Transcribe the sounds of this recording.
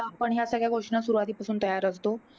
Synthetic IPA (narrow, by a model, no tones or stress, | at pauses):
apəɳjasəɡɭjaɡʱoʂɳasuɾuʋat̪iːpasuːnt̪əjaɾəst̪o